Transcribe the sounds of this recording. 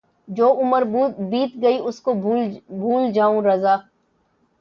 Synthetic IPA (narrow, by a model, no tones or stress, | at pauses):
d͡ʒoːʊməɾbuːbiːt̪ɡɐiʊskobʱuːld͡ʒaːũɾɐzaː